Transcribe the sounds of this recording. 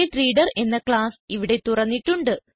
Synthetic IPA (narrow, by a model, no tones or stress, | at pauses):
eʈriːɽɐre̞nːɐkɭaːsiʋiɽe̞t̪urɐnːiʈːuɳɖɨ